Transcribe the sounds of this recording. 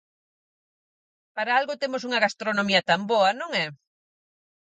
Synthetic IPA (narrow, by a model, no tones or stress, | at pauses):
paɾaalɣʊt̪emʊs̬uŋɐɣast̪ɾonõmiɐt̪amboɐnõŋɛ